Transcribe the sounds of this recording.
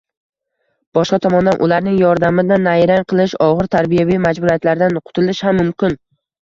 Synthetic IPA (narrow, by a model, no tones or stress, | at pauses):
b̥ɒʃqɑt̪ʰɒmɒnd̪anʔʊlaɾnɪŋjɒɾd̪amɪd̪anajɾaŋqʰɨlˠɪʃɒʁɨɾt̪ʰaɾbijavimad͡ʒbʊɾijat̪laɾd̪anqʰʊ̥t̪ʰɪlɪʃhamːʊmkʲʰɪn